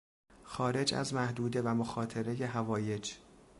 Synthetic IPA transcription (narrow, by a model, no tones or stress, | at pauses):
xɒːɾe̞d͡ʒæ̰zmæhd̪uːd̪e̞væmoxɒːt̪ʰe̞ɾe̞je̞ɦævɒːje̞d͡ʒ